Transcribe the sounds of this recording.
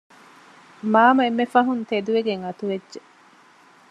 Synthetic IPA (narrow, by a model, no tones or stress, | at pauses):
maːmɐemːefɐɦunt̪ed̪uʋeɡeŋɐt̪uʋedʒe